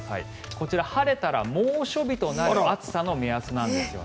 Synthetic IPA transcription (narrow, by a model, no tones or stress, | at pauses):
ha̰ḭ | ko̞t͡ɕiɾahaɾe̞t̪aɾa̰moːɕo̞bʲit̪o̞naɾɯat͡sɨ̥sano̞measɨnãnd̪e̞sɨjo̰